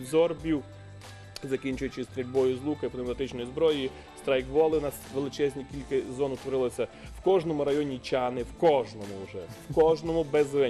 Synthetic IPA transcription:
zɔrbʲiw | zɐkʲinʲt͡ʃʊjʊt͡ʃɪst̪ɾʲelʲbɔjʊzlˠukɐipd̪mp̪ɐt̪ɪt͡ʃnɔjizbɾɔji | st̪ɾajkʋɔlˠɪnasʋelˠɪt͡ʃɛzʲnʲikʲilʲkɐzɔnʊt̪ʋɔɾɪlˠɐsʲɐ | wkɔʒnɔmʊɾɐjɔnʲit͡ʃʲanɪwkɔʒnɔmʊʊʒɛwkɔʒnɔmʊbɛzʋɛ

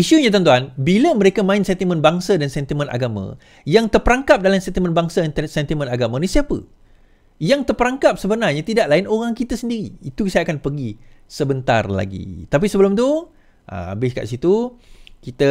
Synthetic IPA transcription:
iʃuɲat̪̬ant̪̬uanbiləməɾekamãɪnsɛnt̪imə̃nbaŋsadansɛnt̪imə̃na̰ɡamã̰ | jaŋt̪ərpəɾaŋkap̚dalamsɛnt̪imə̃nbaŋsansɛnt̪imə̃naɡamãnisiapə̰ | jaŋt̪ərpəɾaŋkap̚səbənarɲat̪idaʔlaɪnoɾaŋkit̪asəndiɾḭːt̪uksaʔ̚kanpərɡisəbənt̪a̰rla̰ɡḭt̪ap̬isəbəlʊmt̪u | ʔa̰a̰bɪska̰ʔsit̪ukit̪a

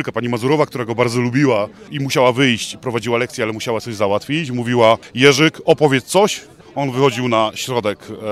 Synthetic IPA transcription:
lkapaɲimazuɾɔvak̚t̪uɾaɡɔbaɾd̪zɔlubʲiwaimuɕawavɘjɕt͡ɕpɾɔvad͡ʑiwalɛkt̪sʲjɛalɛmuɕawat̪ɔʑzawat̪fʲit͡ɕmuvʲiwajɛʐɘkɔpɔvʲjɛt̪t̪sɔɕ | ɔnvɘxɔd͡ʑiwnaɕɾɔd̪ɛk

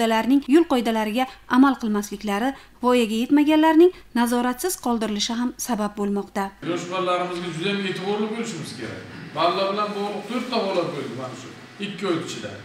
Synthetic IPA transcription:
d̪alaɾnɪŋjʊlˠqɒjd̪alaɾɪɡʲaamalˠqʰɨlˠmaslɪkʲlaɾɪ | vɒjaɡʲaje̞t̪maɡʲanlaɾnɪŋnazɒɾat̪sɪz̥qʰɒlˠd̪ɪɾɪlɪʃɪɦamsabap̚bolˠmɒqt̪ajɒʃbaɾlaɾɪmɪzɡʲad͡ʒʊd̪ajame̞t̪ʰɪbɒɾlˠɪbolɪʃɪmɪz̥kʲʰe̞ɾa̰k̚ʲballːɒbɪlanbɒʁlˠʊq̚t̪ʰɵɾt̪ʰːabɒlˠaɾ̚kolʲd̪ɪmanɪʃʊ | ɪkʲːɪɒjt̪ʰɪ̥t͡ʃʰɪd̪a̰

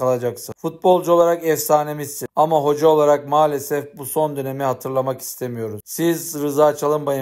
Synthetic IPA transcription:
alˠad͡ʒaksɯfut̪̚bo̞lˠd͡ʒuo̞lˠaɾakɛfsaːne̞mist̪iamaɦo̞d͡ʒao̞lˠaɾak̚maːlʲe̞sɛfbuso̞nd̪ø̞ne̞miɦat̪ʰɯɾlˠamaki̥st̪ʰe̞mijo̞ɾuzsizɾɯzaːt͡ʃʰalˠɯmbajɯ

